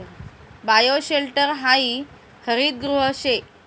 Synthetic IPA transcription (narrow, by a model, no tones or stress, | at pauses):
bajoɕelʈəɾɦai | həɾiːd̪̚ɡɾuɦəɕe